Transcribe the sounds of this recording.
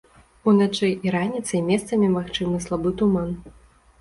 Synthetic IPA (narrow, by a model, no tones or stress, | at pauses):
unat͡ʂɨjʔiɾanʲit̪sɐjmʲɛst̪sɐmʲɛmaxt͡ʂɨmɨslˠabɨt̪uman